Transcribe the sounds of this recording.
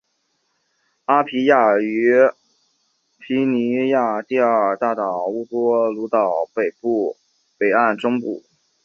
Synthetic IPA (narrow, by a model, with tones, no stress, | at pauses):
a˥pʰi˧˥ja˥˩y˧˥ | pʰi˧˥ni˧˥ja˥˧t̪i˥˧ə˥˩t̪a˥˩t̪ɑ˨˩ʊu˥˩t̪wɔ˥lu˧˥t̪ɑ˨˩ʊpe˨˩ɪpu˥˩ | pe˨˩ɪa˥˩˧nʈ͡ʂʊ˥ŋpṵ˥˩